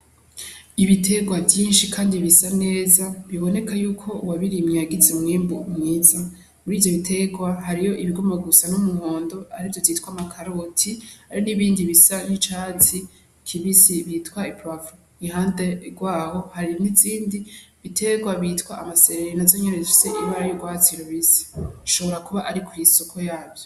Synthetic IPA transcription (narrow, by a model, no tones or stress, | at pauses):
iβitʰe̞ɡwavjiːnʃikʰaːndiβisane̞ːzaβiβo̞ne̞kʰajuːkʰo̞waβiɾimɲejaɡizemŋiːmbuumŋiːza | muɾiːvjo̞βitʰe̞ɡwaɦaɾijo̞ʔiβiɡomaɡusanumuŋo̞ːndo̞aɾivjovziːtwamakʰaɾotʰihaɾiniβiːndiβisaɲit͡ʃat͡si | kʰiβisiβiːtkwaipɾavu | ihaːnde̞ɡwaːho̞haɾiniziːndiβitʰe̞ɡwaβitkwaʔamaseɾeɾenazo̞ɲenezifi̥se̞ʔiβaɾajoɡwaːt͡siɾoβisi̥ʃo̞βoɾakuβaʔaɾikujiso̞kʰo̞jaːbjo